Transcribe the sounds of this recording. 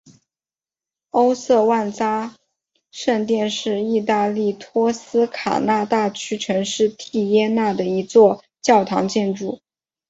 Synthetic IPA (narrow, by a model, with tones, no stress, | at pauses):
o˥ʊsɤ˥˧wa˥˩nt͡sa˥ | ʂə˥˧ŋt̪jɛ˥˧nʂɻ̩˥˧i˥˧t̪a˥˧li˥˩t̪ʰwɔ˥sɹ̩˥kʰa̰˨˩na˥˧t̪a˥˩t͡ɕʰy˥ʈ͡ʂʰɤ˧˥ŋʂɻ̩˥˧t̪ʰi˥˩jɛ˥na˥˩d̪ə˩i˧˥t͡swɔ˥˧ | t͡ɕjɑ˥˩ʊt̪ʰɑ̰˧˥ŋt͡ɕjɛ˥˧nʈ͡ʂu˥˩